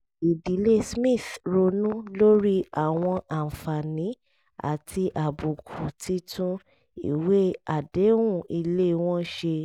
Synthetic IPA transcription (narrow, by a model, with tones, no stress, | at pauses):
i˨di˨˦le˦smĩ˦˨θɾo˧nũ˦lo˦ɾi˦a˨w̃ɔ̃˧ʔa˨fa˨nĩ˨˦ | a̰˦˨tʰi˧ʔa˨bu˨kʰu˨tʰi˦tʰũ˦ | ḭ˦˨we˦a˨de˨˦wũ˦˨i˧le˦˧w̃ɔ̃˦ʃe˧